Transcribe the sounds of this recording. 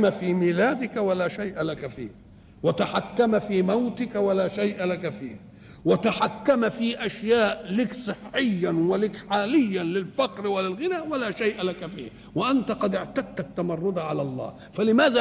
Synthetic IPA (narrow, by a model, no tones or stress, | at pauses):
mafiːmiːlaːd̪ɪkawalaːʃajʔalakafḭːh | wat̪aħakːamafiːmawt̪ɪkawalaːʃajʔalakafḭːh | wɪt̪aħakːamafiːʔaʃjaːʔlɪksˤɨħːɪjːanwɪlɪkħaːlɪjːalɪlfɑqɾwɪlɪlɣɪnaːwalaːʃajʔalakafḭːh | wɪʔant̪aqɑd̪ɪʕt̪ad̪̚t̪at̪ːamɑrˤːʊd̪ʕalalˤːɑ̰ː | falɪmaːza